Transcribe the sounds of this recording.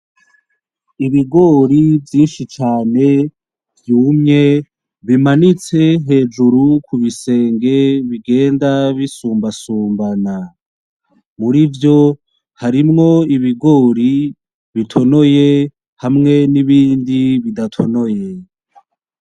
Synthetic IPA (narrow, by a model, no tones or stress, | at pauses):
iβiɡo̞ːɾivjiːnʃit͡ʃaːne̞ | vjuːmɲe̞ | βimanit͡se̞ɦe̞ːd͡ʒuɾukʰuβise̞ːŋɡe̞βiɡe̞ːndaβisuːmbasuːmbana | muɾivjo̞ | haɾimŋo̞iβiɡo̞ːɾi | βitʰo̞no̞je | hamŋe̞niβiːndiβidatʰo̞no̞je